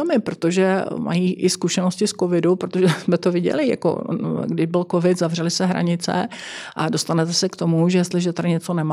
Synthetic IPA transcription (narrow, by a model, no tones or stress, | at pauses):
omɪpɾot̪oʒɛmʔa̰jiːʔɪskuʃɛnoscɪskovɪdupɾot̪oʒɛsmɛt̪ovɪɟɛ̰lɪja̰ko̰ɡdɪʒbɪlkovɪt̪zavr̝ɛlɪsɛɦɾa̰ɲɪt͡sɛ̰ʔado̞st̪anɛt̪ɛsɛkt̪o̞muʒɛjɛst̪lɪʒɛt̪aɾɪɲɛt͡sonɛma